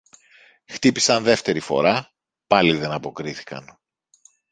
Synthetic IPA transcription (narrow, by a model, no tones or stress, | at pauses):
xt̪ipi̥sɐnðe̞ft̪e̞ɾifo̞̰ɾɐ | pɐliðe̞nɐpo̞kɾiθi̥kɐ̰n